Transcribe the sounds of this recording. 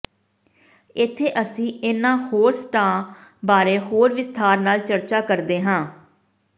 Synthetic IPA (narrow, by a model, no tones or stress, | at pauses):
ɪt̪ʰːeːʔəsĩːɪnãːhoːɾsʈãːbaːɾeːɦoːɾʋɪst̪ʰaːɾnaːlt͡ʃəɾt͡ʃaːkəɾd̪eːɦãː